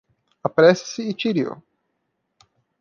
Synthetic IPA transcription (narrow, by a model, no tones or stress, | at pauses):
apɾɛsɐ̥sɪːt͡ʃiɾio̰